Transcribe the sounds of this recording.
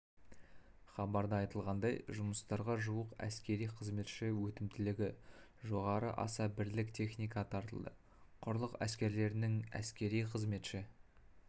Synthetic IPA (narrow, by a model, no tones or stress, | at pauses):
χɑbɑɾd̪əɑjt̪əlˠʁɑnd̪ɑjʒʊməst̪ɑɾʁɑʒuəqæ̰skʲe̞ɾijqʰəzme̞t̪ʃɪwɵt̪ɪmt̪ʰɪlɪɡʲɪ | ʒo̞ʁɑɾə̰ʔɑ̰sɑbɪɾlɪkt̪ʰe̞χnijkɑt̪ʰɑɾt̪ə̰lˠd̪ə̰ | qʰʊɾlˠəqæskʲe̞ɾle̞ɾɪnɪŋæ̰skʲe̞ɾijqʰəzme̞t̪ʃɪ